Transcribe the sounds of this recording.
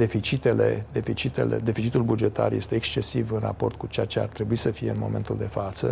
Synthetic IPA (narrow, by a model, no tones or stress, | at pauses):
d̪e̞fit͡ʃit̪e̞le̞̰d̪e̞fit͡ʃit̪e̞̰le̞̰d̪e̞fit͡ʃit̪ulbud͡ʒe̞t̪a̰rje̞st̪e̞ːkst͡ʃe̞sivɨnra̰po̞rt̪̚kut͡ʃejat͡ʃe̞a̰rt̪ɾe̞buisəfijeɨnmo̞̰mẽ̞̰nt̪uld̪e̞fat̪sə